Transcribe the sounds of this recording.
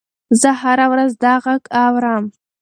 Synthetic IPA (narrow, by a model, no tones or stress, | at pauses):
zəɦaɾawɾazd̪ɑʁakʰʼawɾam